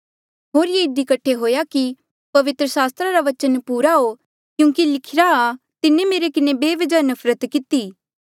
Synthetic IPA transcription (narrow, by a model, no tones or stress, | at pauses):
ɦoːɾjeɪd̪ikɐʈʰeɦoːjaki | pɐʋɪt̪ɾəsaːst̪ɾaɾaʋɐt͡ʃənpuːɾaɦo | kjũːkilɪkʰɪɾaː | t̪ɪnemeːɾekɪnebeːʋɐd͡ʒanɐpʰɾət̪kɪt̪iː